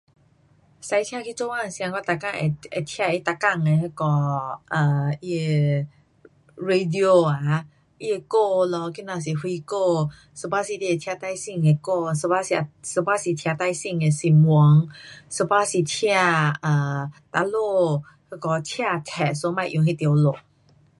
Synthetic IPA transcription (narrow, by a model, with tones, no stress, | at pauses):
sa˧˦jt̪ʰi˧a˧kʰi˧˨t͡ʃo˧wa˧˨si˧ã˧ŋkɔ˧t̪a˧˨ka˧˨ŋʔḛ˨ʔe˨t̪ʰi˧a˧˨ʔi˧˦t̪a˧˨ka˧˨ŋe˨he˧kɔ˧˦ʔə˨˩ʔi˧e˧ | ɹe˧di˧o˧a˨˦ | ʔi˧e˧ko˧lɔ˧˦ki˧˦nã˧˨s̬i˨hwi˧ko˧ | sə˧ba˧˨si˧˨t̪i˧e˨t̪ʰja˧t̪a˧jsi˧˨ŋe˨ko˧˨sə˧ba˧si˧a˨˧sə˧ba˧˦si˨t̪ʰja˧t̪a˧jsi˧˨ŋe˨si˧˨mu˧˦ŋsə˧ba˧˨si˨t̪ʰja˧ə˨˩t̪a˧lo˥˧ | hə˧kɔ˧t̪ʰja˧˨t̪ʰɛ˨ʔso˧˦mã˧˨ʔõ˨ŋɦi˧˨t̪o˨lo˨